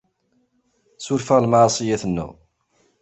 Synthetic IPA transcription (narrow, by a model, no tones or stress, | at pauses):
sʊɾfəʁlmaɾˤsˤijæθənːṵ